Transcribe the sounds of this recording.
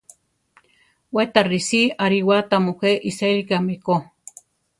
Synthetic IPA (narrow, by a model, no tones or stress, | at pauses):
wet̪arisiaɾiwat̪amuxʷeʔiselikameko